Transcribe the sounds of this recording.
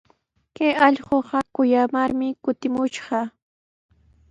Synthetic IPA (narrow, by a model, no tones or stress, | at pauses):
kajɑʎɢoɢɑkʊjamaɾmɪkʊt̪ɪmʊʃɢɑ